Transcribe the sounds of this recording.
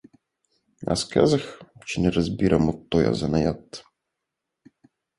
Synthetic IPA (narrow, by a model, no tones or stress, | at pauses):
ɐ̰skɛ̰zɐxt͡ʃɪnɛɾɔzʲbʲiɾʔɐmɔt̪ːɔjɐ̰zɐnɐjat̪ː